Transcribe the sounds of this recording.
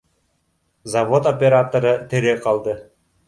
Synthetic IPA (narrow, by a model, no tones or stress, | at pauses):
zɐvo̞t̪opʲeɾat̪oɾɤt̪eɾeqɑlˠd̪ɤ